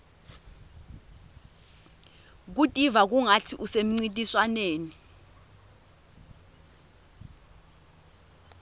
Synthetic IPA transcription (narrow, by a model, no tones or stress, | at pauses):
k̬utʼivak̬uŋatʰiʔusem̩ŋ͡ǀintʼiswaneːni